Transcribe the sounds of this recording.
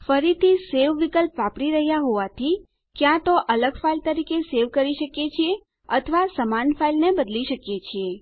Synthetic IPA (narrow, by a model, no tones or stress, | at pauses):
fəɾit̪iseʋʋikəlpʋapɽiɾəɦjaɦoʋat̪ʰi | kjãt̪oʔələɡfailt̪əɾikeseʋkəɾiʃəkjet͡ʃʰie | ət̪ʰʋasəmanfailnebəd̪liʃəkjet͡ʃʰie